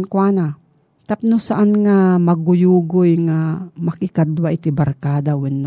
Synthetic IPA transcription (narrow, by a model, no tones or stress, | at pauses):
nkwaːna | t̪ap̚nʊsaʔanŋamɐɡʊjuːɡʊjŋamɐkɪkad̪waʔɪt̪ibɐɾkaːd̪awɛnː